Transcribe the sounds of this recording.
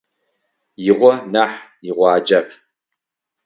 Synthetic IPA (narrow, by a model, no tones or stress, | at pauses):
jɪʁʷɔnaːħjɪʁʷɑːd͡ʒɐp